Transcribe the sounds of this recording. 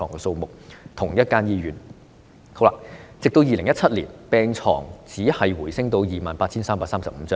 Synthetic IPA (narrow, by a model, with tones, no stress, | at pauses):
ɔ̰ː˨˩ŋkɛː˧so˧wmʊ˨k̚t̪ʰʊ˨˩ŋjɐ˥t̚kaː˥njiː˧ɥyː˨˩n | hʰo˨˥wlaː˧˩t͡sɪ˨k̚t̪o˧wjiː˨lɪ˨˩ŋjɐ˥t̚t͡sʰɐ˥t̚liː˨˩npɛː˧ŋt͡ʃʰɔ̰ː˨˩ŋt͡siː˨˥hɐ˨jwuː˨˩jsɪ˥ŋt̪o˧wjiː˨ma̰ː˨npaː˧t̚t͡sʰiː˥nsaː˥mpaː˧saː˥msɐ˨p̚m̩ː˨˦t͡sœː˥